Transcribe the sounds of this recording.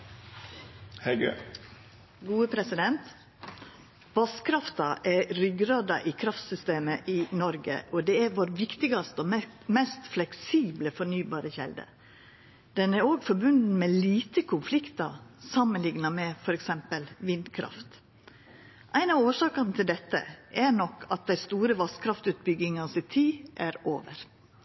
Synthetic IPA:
hɛɡ | ɡuːəpʰɾɛsɪd̪ɛnt̪ | ʋɑskʰɾɑft̪ɑʔɛɾʏɡɾɑːd̪ɑʔɪkʰɾɑft̪sʏst̪eːməʔɪnɔɾɡə̰ʔɔd̪ɛæɾʋoːɾʋɪkt̪ɪɡɑst̪ɔmɛmɛst̪flɛksiːbləfɔɳyːbɑːɾəçɛ̰ld̪ə̰ | d̪̥ɛnæɾoːɡfɔɾbʉnd̪n̩mɛliːt̪əkʰʊnflɪkt̪ɑsɑmənlɪŋnɑmɛfɔɾɛksɛmpəlʋɪnd̪kʰɾɑ̰ft̪ | ʔæɪnɑoːʂɑːkɑnət̪ʰɪld̪ɛt̪ːə̰ʔɛɳɔkʰːɑt̪̚d̪æɪst̪uːɾəʋɑskʰɾɑft̪ʉːt̪̚bʏɡɪŋɑsɪt̪ʰiːʔæɾo̰ːʋə̰ɾ

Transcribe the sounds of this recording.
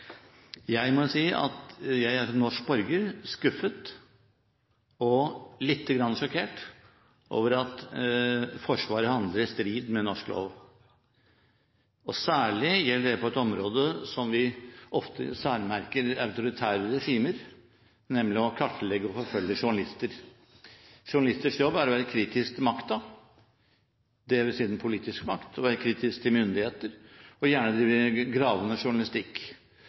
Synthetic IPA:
jæɪmɔʊsiːʔɑ̰t̪jæɪæʂɔnɔʂk̚bɔɾɡəɾskʉfːət̪ | ɔlɪt̪ʰːəɡɾɑnːəʂɔkʰeːʈ | ʔo̰ːʋəɾɑt̪ | fɔʂʋɑːɾəhɑnd̪ləɾst̪ɾiːd̪mɛnɔʂklo̰ːʋə | ɔsæːɭɪjɛlːəɖɛpʰɔɛt̪ɔmɾoːd̪əsɔmʋɪʔɔft̪ʰə̰sæːɾmæɾkəɾɑʉt̪ʊɾɪt̪ʰæːɾəɾɛʂiːməɾ | nɛmlɪɔkʰɑʈːəlɛɡːəɔfɔɾfœlːəʂʊɳɑlɪst̪əɾ | ʂʊɳɑlɪst̪ɪʂkjɔbːæɾɔʋæːɾəkʰɾiːt̪ɪsk̚t̪ʰmɑkt̪ɑ | d̪ɛʋɪsiːd̪ən̩pʰʊliːt̪ɪskmɑkt̪ʰɔʋæːɾəkʰɾiːt̪ɪskt̪ʰɪlmʏnd̪ɪheːt̪əɾɔjæːɳəd̪ɪɡɾɑːʋənəʂʊɳɑlɪst̪ɪkː

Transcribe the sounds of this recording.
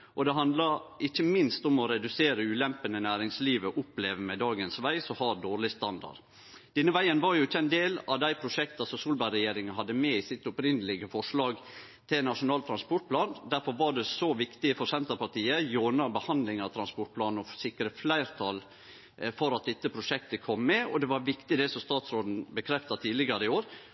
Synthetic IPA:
ʔɔd̪ɛɦɑnd̪lɑɪçːəmɪnst̪ɔmɔɾɛd̪ʉseːɾəʉːlɛmpənənæːɾɪŋsliːʋəʔʊpleːʋəmɛd̪ɑːɡənsʋæɪsɔhɑːd̪oːɾɭɪst̪ɑnd̪ɑ̰ɖ | d̪̥ɛnːəʋæɪənʋɑɾjʊɪçːəæɪnd̪eːlɑʋd̪æɪpʰɾʊʂɛkt̪ɑsɔmsuːlbɑɪɾɛjeːɾɪŋɑɦɑd̪ːəmɛɪsɪt̪ːʊpɾɪnːəlɪɡəfɔʂɭɑːɡ | t̪ʰɪlnɑʂʊnɑːlt̪ʰɾɑnspɔʈ̚pʰlɑːnd̪æɾfɔɾʋɑɖɛsɔʋɪkt̪ɪfɔɾsɛnt̪əɾpɑʈ̪iːəjoːnɑbəhɑnd̪lɪŋɑt̪ʰɾɑnspɔʈ̚pʰlɑːnn̩ɔfsɪkːɾəflæɪɾt̪ʰɑːl | fɔɾɑt̪̚d̪ɛt̪ːəpʰɾʊʂɛkt̪əkʰɔmːɛɔd̪ɛʋɑɾʋɪkt̪ɪd̪ɛsɔst̪ɑːt̪sɾoːd̪n̩bəkʰɾɛft̪ɑt̪ʰiːdlɪɡəɾəɪoːɾ

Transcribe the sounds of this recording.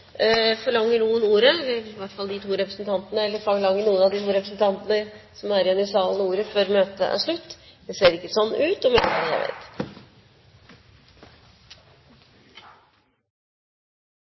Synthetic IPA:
fɔɭɑŋːəɳuːənuːɾəəʋæʈfɑlːˠd̪ɪt̪ʰuːɾɛpɾəsn̩t̪ʰɑnt̪ənəɛlːəɾfɔɭɑŋːəɳuːənɑʋd̪ɪt̪ʰuːɾɛpɾəsnt̪ʰɑnt̪ənəsɔmæɾɪɑnɪsɑːlənəuːɾəføɾmøːt̪ə̰ʔæ̰ʂɭʉt̪ːd̪ɛseːɾɪkːəsɔnːʔʉːt̪ɔmjæd̪hɑd̪jæ̰ʋḛːɪt̪

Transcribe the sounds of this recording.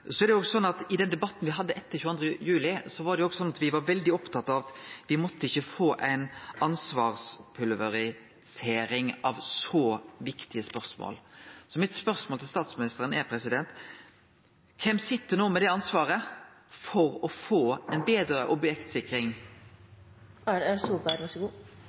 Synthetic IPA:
sɔɛɾdɛoːɡsɔnːɑt̪ɪd̪ɛnd̪ɛbɑt̪ːn̩ʋɪɦɑd̪ːəʔɛt̪ːəçʉːɑnd̪ɾəjʉːlɪsɔʋɑɾɖ̪ɛjʊoːɡsɔnːɑt̪ʋɪʋɑɾʋɛld̪ɪɔpt̪ʰɑt̪ːɑt̪ʋɪmɔt̪ːəɪçːəfoːʔæɪnɑnsʋɑːʁspʰʉlʋəɾɪ | seːɾɪŋɑʋsɔːʋɪkt̪ɪəspœʁsmo̰ːlsɔmɪt̪spœɾsmoːlt̪ɪlst̪ɑːt̪smɪnɪst̪əɾənɛɾpʰɾɛsɪd̪ɛnt̪ | kʰɛmsɪt̪ːəɾnoːmɛd̪ɛɑnsʋɑːʁə | fɔɾɔfoːæɪnbeːd̪ɾəʔɔbjɛkt̪sɪkɾɪŋ | ææsubæɾʋæʂəɡuː

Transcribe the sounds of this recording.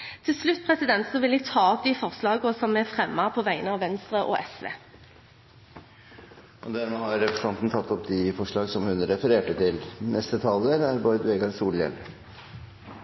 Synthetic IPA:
t̪ʰɪlslʉt̪̚ːpʰʁɛsɪd̪ɛnt̪sɔʋɪlɛɡ̚t̪ʰɑːɔp̚d̪ifɔʁslɑːɡɔsɔmɛfʁɛmːɑpʰɔʋæɪənəɑːʋɛnst̪ʁəʔɔ̰ʔɛsʋḛː | ʔɔd̪æmoːhɑɾːɛpɾəsɑnt̪n̩t̪ʰɑt̪ʰːɔpd̪ɪfɔʂɭɑːɡsɔmhʉnɾɛfəɾeːʈət̪ʰɪlnʔɛst̪ət̪ʰɑləɾæɾbɔʏd̪ʋeːɡɑɾsuːljɛ̰lə

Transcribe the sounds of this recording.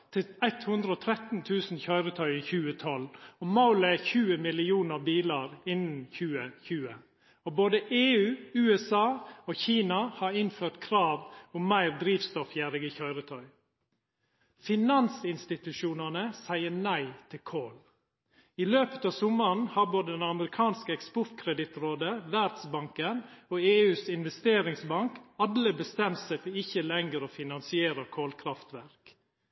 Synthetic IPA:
t̪ʰɪæɪt̪hʉnd̪ɾəoːt̪ʰɾɛt̪n̩t̪ʰʉːsn̩çœʏɾət̪ʰœʏçʉːət̪ʰɔlomɑʊləɛçʉːəmɪlɪuːnəɾbiːlɑɾɪnn̩çʉːəçʉːə | oboːd̪əʔeːʉːʉːɛsɑːoːçiːnɑhɑɾɪnføːʈ̪kʰɾɑːʋʊmːæɪɾd̪ɾiːʋst̪ɔfjæːɾɪɡəçœʏɾət̪ʰœʏ | fɪnɑnsɪnst̪ɪt̪ʉʃuːnɑnəsæɪənæɪt̪ʰɪlkʰoːl | iːløːpə̥t̪ɑːʋsʊmɑnhɑɾboːd̪əd̪ɛnɑməɾɪkʰɑːnskəɛkspʊɾt̪kʰɾɛd̪ɪt̪ɾoːd̪əʋæɾd̪sbɑŋkənoːeːʉːsɪnʋɛst̪eːɾɪŋsbɑŋkɑd̪ləbəst̪ɛmt̪sæɪfɔɾɪçəlɛŋɡɾoːfɪnɑnsɪeːɾəkʰoːlkʰɾɑft̪ʋæɾk

